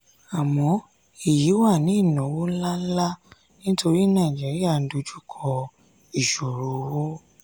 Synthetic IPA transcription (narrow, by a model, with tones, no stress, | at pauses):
a˨mɔ̃˧ | i˨ji˨˦wa˦˨nĩ˨˦˨nɔ̃˨˦wo˦n̩˦la˦n̩˦la˦ | nĩ˦tʰo˧ɾi˦nã˦˨d͡ʒe˨˦ɾi˦a˦˨n̩˦do˧d͡ʒu˦kʰɔ˧ | i˦˨ʃo˨ɾo˨˦wo˦